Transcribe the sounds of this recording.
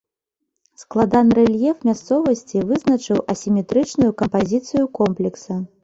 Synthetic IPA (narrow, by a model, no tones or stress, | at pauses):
sklˠad̪anɾɛlʲjɛfmʲast̪sɔvɐsʲt͡sʲivɨznɐt͡ʂɨwʔɐsʲimʲɛt̪ɾɨt͡ʂnujukɐmpazʲit̪sɨjukɔmplʲɛksɐ